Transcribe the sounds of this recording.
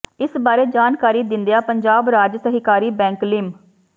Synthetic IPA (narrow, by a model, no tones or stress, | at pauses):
ɪsbaːɾeːd͡ʒaːnkaːɾiːd̪ɪ̃nd̪ejaːpəɲd͡ʒaːbɾaːd͡ʒsəɦɪkaːɾiːbɛ̃ːŋklɪm